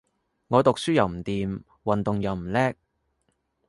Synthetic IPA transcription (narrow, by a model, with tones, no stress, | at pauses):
ŋɔː˨˧t̪ʊ˨k̚syː˥jɐ˨wm̩˨˩t̪iː˨m | wɐ˨nt̪ʊ˨ŋjɐ˨˩wm̩˨˩lɛː˥k̚